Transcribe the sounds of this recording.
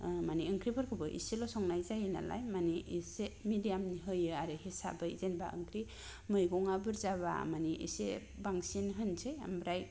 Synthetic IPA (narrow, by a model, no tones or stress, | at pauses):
maniɯŋkʰɾibɯɾkʰɯbɯʔḭselɔsɔŋnajzajɯna̰la̰jmaniisemidijamniɦɯjɯaɾɯɦisa̰bɯḭzenba̰ɯ̰ŋkʰɾi | mɯjɡɔŋabɯɾzaba̰maniʔḭsḛbaŋsinɦɯnsejambɾaj